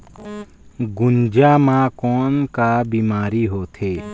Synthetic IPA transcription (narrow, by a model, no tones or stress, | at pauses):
ɡʊnd͡ʒaːmãkoːnkaːbiːmaːɾiːɦoːt̪ʰeː